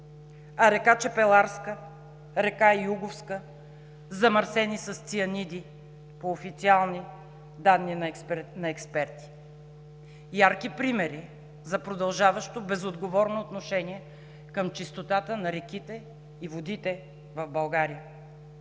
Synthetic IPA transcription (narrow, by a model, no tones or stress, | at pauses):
ɐɾɛkat͡ʃɛpɛlˠaɾskə | ɾɛkaiuɡofskə | zɐmɐɾsɛnisɐst̪siɐnid̪i | poːfit̪sialˠni | d̪anːinnɐɛkspɛɾt̪i̥ | jaɾkipɾimɛɾi | zɐpɾod̪ɐlˠʒavəʃt̪obɛzod̪ɡovɔɾnoːt̪noʃɛniɛ | kəmt͡ʃist̪ot̪at̪ənɐɾɛkit̪ɛ | ivod̪it̪ɛ | vɐvbɐlˠɡaɾijə